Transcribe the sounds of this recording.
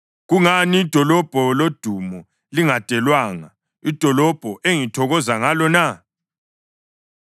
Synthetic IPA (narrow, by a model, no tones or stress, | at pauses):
ɣuŋaniːd̥ʱɔlɔb̥ʱɔlod̥ʱumɔ | liŋad̥ʼʱɛlwaːŋa | id̥ʱɔlɔb̥ʱɔʔeŋitʰɔɣɔzaŋalɔna